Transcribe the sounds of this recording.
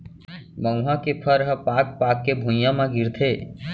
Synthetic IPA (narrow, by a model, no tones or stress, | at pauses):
mə̃ʊɦãkepʰəɾəɦəpaːk̚paːkːebʱũjãmãɡɪɾt̪ʰeː